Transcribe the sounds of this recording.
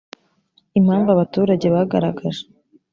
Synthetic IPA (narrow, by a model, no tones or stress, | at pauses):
imhaːɱvaβatuːɾaɟe̞βaɡaɾaɡaʒe